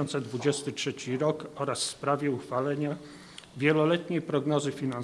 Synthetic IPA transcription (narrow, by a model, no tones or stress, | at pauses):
ɔnt̪sɛd̪vud͡ʑɛst̪ɘtʂɛt͡ɕiɾɔkɔɾasfspɾavʲjɛuxfalɛɲa | vʲjɛlɔlɛt̪ɲejpɾɔɡnɔzɘfʲinan